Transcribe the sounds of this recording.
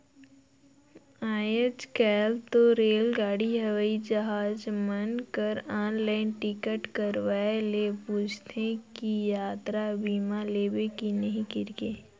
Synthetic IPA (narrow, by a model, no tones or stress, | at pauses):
aːjət͡ʃkɛːlt̪oɾeːlɡaːɽiɦɐʋəid͡ʒɐɦaːd͡ʒmənkəɾãːnlaːɪnʈɪkəʈkəɾʋaelepuːt͡ʃʰt̪ʰẽkijaːt̪ɾabiːmaleːbekinɐɦĩkɪɾkeː